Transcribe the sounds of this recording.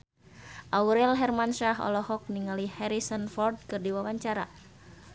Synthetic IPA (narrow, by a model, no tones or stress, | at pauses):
ʔawɾɛlɦɛrmanʃaɦɔ̰lɔhɔk̚niŋalihɛɾisɔnfɔrd̚kɨrdiwawaɲt͡ʃaɾa